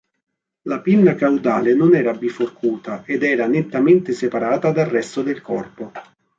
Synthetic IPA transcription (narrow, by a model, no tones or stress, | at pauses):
lapinːakawd̪aːlenʊnɛːɾabiforkʰuːt̪aʔed̪ɛːɾanet̪ːament̪ɪsepaɾaːt̪ad̪arːɛst̪od̪elkɔrpo